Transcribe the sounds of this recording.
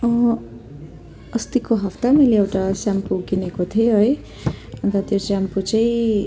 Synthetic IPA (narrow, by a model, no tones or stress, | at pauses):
ʌ̃ | ʌst̪ikoɦʌpt̪amʌleewʈasjampuɡinekot̪ʰioɦʌj | ʌnt̪ʌt̪josamput͡sʌĩ